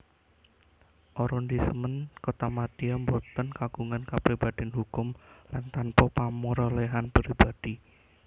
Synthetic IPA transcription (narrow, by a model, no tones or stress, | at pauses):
ʔɔɾɔnd̪isəmənkɔt̪amad̪̥iambɔt̪ənkaɡ̥uŋankapɾibad̪̥ianɦukʊmlant̪anpɔpamuɾɔleɦanpɾibad̥i